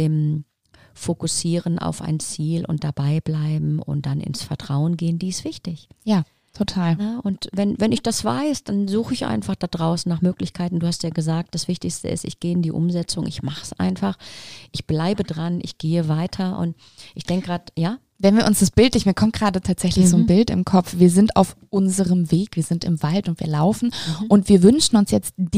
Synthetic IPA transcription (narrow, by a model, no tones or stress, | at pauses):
ʔɪm | fokʊsiːʁənʔa̰ʊfa̰ɪnt͡siːlʔʊ̰ntd̥abaɪblaɪbm̩ʊ̰nt̚d̥anɪ̰nsfɛɐtʁ̥aʊənɡeːəndiːɪstv̥ɪçtɪçjaː | tʰotʰaːlnəʔʊntvɛnvɛnɪçd̥asv̥a̰ɪsd̥anzuːxəɪçʔa̰ɪnfaχd̥adʁaʊsn̩nːaːχmøːklɪçkʰaɪtn̩duːhastjaːɡəzaːk̚td̥asv̥ɪçtɪçstə̰ɪ̰stɪ̰çɡ̥eːɪndiːʔʊ̰mzɛt͡sʊŋʔɪ̰çmaχəsʔa̰ɪnfaχʔɪçb̥laɪbədʁanʔɪ̰çɡ̥eːəvaɪtʰɐʔʊ̰nt | ʔɪçd̥ɛŋkəɡʁaːtjaː | vɛnviːɐʔʊnsd̥asb̥ɪltlɪçmiːɐkʰɔmt̚ɡ̥ʁaːdətʰaːtz̥ɛçlɪçz̥oːnbɪltɪ̰mkʰɔp͡fv̥iːɐzɪnta̰ʊfʔʊnzəʁəmveːkviːɐzɪntɪmvaltʊntv̥ḭːɐlaʊfn̩ʔʊntv̥iːɐvʏnʃn̩ʊnsjɛt͡std̥